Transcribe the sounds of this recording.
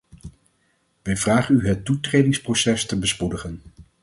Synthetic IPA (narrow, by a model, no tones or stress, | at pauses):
ʋɛjvraːχənyɦətutrejdɪŋsprowsɛstəbəspudəχən